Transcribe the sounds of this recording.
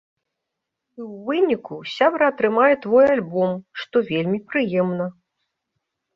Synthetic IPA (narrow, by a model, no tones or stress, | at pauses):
iwvɨnʲikusʲabɾɐːt̪ɾɨmajɛt̪vɔjalʲbɔmʂt̪ɔvʲelʲmʲipɾɨjɛmnɐ